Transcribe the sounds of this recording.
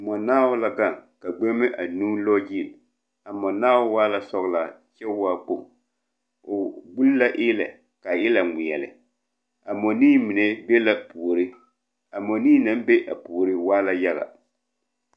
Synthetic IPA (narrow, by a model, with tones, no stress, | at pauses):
mɔ˨naː˦wʊ˦la˦ɡa˦˨ŋka˨ɡ͡be˦mɛ˦ʔa˨nuː˦lɔ˦d͡ʒi˦˨l | a˨mɔ˨naː˦wʊ˦waː˦la˦sɔ˦ɣla˨ | t͡ʃɛ˦wa˦k͡po˨ŋ | ʊ˨ɡ͡bu˦lla˦ʔɪ˦lɛ̰˨ | ka˨ɪ˦la˨ŋi˨jɛ˨lɪ̰˨ | a˨mɔ˨niː˦mi˨ne˦be˦la˦pu˨ɾɪ˦ | a˨mɔ˨niː˦na˦mbe˦ʔa̰˨pu˨ɾɪ˦waː˦la˦ja˦ɣa̰˨